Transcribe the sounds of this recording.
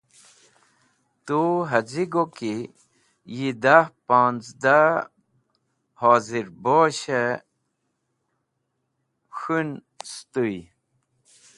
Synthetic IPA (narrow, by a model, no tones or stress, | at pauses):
t̪uɦɐd͡ziɡoki | jid̪ahpaːnt͡sd̪a | haːziɾboːɕe | ɕun | st̪ui